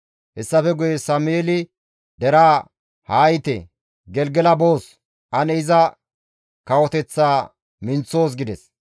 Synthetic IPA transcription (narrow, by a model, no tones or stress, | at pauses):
hɛsːɐfɛɡʊjɛsɐmʊjeːlɪ | d̪ɛɾaː | haːjɪt̪ɛ̰ | ɡɛlɡɛlɐbo̞ːs | ʔɐnɛɪzɐ | kɐwɔt̪ɛt͡sːaː | mɪnt͡sːo̞ːs̬ɡɪd̪ɛs